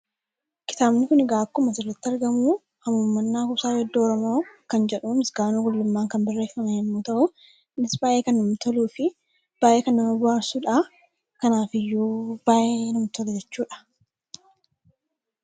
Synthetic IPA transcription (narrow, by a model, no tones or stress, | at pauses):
kɪ̥t̪aːbnɪkʊnɪɡaːkːʊmɐsɪrːɐt̪ːɪɐɾɡɐmuː | hɐmuːmːɐnːaːkʊsaːjɛd̪ːoːɾɔmo̞ːkɐnd͡ʒɛᶑuːmɪsɡaːnuːɡʊlːʊmːaːŋkɐnbɐrːe̞ːfːɐmɛjɛmːuːt̪ɐʔʊ | nɪsbaːʔeːkɐnːʊmt̪ɔluːfɪ | b̥aːʔe̞ːkɐnːɐmɐbʊaːsuːᶑaː | kɐnaːfɪjːuːb̥aːʔeːnʊmt̪ɔlɛd͡ʒɛt͡ʃːuːᶑɐ̥